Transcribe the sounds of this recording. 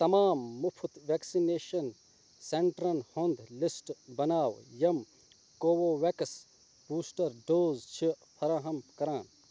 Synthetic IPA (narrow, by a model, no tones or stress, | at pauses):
t̪ɐmaːmːupʰut̪ʋeksineːʃɐn | seɳʈɾɐnhond̪lisʈbɐnaːwjɐm | koːwoːʋekɐs | b̥uːsʈɐɾɖoːzt͡ʃʰipʰɐɾaːɦɐmkɐɾaːn